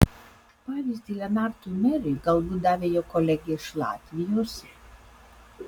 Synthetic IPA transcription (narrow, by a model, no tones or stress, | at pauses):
pɑːʋʲiːzʲd̪ʲilʲɛnɑɾt̪umʲɛɾʲiɡɐlˠbuːd̪ɑːʋʲejoːkɔlʲɛɡʲɛɪʃlˠɑ̰ːt̪ʲʋʲɪjoːs